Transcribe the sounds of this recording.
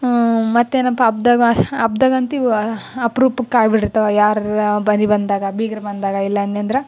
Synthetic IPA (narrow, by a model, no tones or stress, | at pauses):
mɐt̪ːeːnɐpːɐɐb̚d̪ɐɡɐɐb̚d̪ɐɡɐnt̪iɐpɾuːpukːaːjbiɽiɾt̪ɐʋejaːɾbɐnibɐnd̪aːɡɐbiːɡɐɾɐbɐnd̪aːɡɐilːɐːnːɐnd̪ɾe